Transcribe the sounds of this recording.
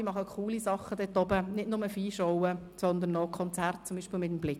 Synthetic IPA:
imɑχəkʰuːlisɑχːəd̥̪ɛt̪ɔbənɪdnʊməfiːʃowəsɔnd̪ənːɔkʰɔnt͡sært̚t͡sʊmbiːʃpɪlmɪtəmblɪk

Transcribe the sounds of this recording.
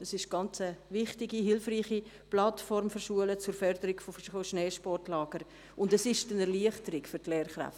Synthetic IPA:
ɛsɪʃɡ̥ɑnt͡səʋɪχtɪɡiɦɪlfriːχi | plɑtfɔɾmfʏɾʃuələt͡sʊɾfœɾd̥əɾɪɡ̥fofoʃneːʃpɔrtlɑːɡ̥əɾ | ʊndɛsɪʃtənɛɾliəχtəɾɪkfʏɾtleːɾχɾæ̰ft

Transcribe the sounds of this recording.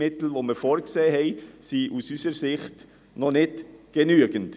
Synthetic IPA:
ɪtl̩voməɾfoːɾkseːhɛɪsiʔusysəɾsɪχt | nɔnɪtɡ̥enyəɡ̥ənt

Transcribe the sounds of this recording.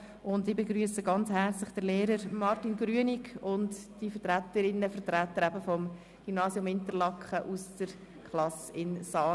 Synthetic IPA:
ʔʊndibeɡɾyːəsəɡɑnt͡shɛɾt͡slɪχd̥əleːɾəɾmɑɾtinɡɾyənɪkʊntd̥ifərtɾætəɾɪnːəfəɾtɾætːəɾæbəfɔm | ɡ̥ymnɑːsjʊmɪntəɾlɑkχəʔusd̥əɾ | kʰχlɑsɪnsɑː

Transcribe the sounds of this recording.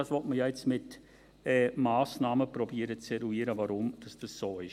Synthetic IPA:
ɑsʋɔtməjaːɛt͡smɪt | ɛːmaːsnɑːməprɔbiːɾət͡sɛɾuiːəɾəvaɾʊmd̥ɑsd̥ɑsːoːɪʃ

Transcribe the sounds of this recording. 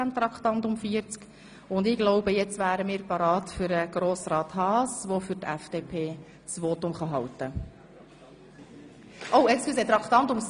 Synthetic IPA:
æmt̪ɾɑkχt̪ɑnt̪ʊmfiəɾt͡sk | ʊnd̪ɪɡ̥lɔʊbəjɛt͡svæːɾəmɪːɾpɑɾɑːtfʏɾəɡ̥ɾoːsrɑːt̪hɑːsʋofʏɾtæfd̥epʰeː | sʋoːt̪ʊmχɑɦɑwt̪ə | ʔowɛkskyset̪ɾɑkχt̪ɑnt̪ʊms

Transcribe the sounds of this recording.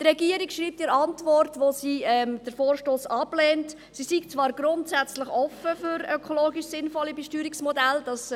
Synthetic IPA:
dɾɛɡiəɾikʃɾiːp̚tɪɾɑntvɔrtʋosiːɛmd̥əɾfoːrʃtoːsɑb̥lɛːnt | sisikt͡svɑːɾɡɾʊntsæt͡sləχɔfəfʏɾøkʰoloːɡiʃsɪnfɔlːibɛʃtyːɾiksmɔdæld̥ɑs

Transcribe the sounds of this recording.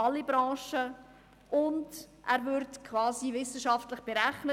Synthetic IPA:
ɑlːibɾɑ̃ːʃə | ʊnd | ʔæːɾvʏɾtkʰvɑːsivɪsəʃɑftləχb̥eɾæχnə

